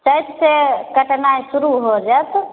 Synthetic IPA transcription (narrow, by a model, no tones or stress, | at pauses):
t͡ʃəjt̪sekəʈnajsuɾuɦod͡ʒat̪